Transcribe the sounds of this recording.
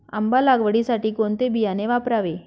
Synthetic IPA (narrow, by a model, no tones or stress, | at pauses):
a̰mbalaɡʋəɽisaʈiːkoɳt̪ebijaneʋapɾaʋe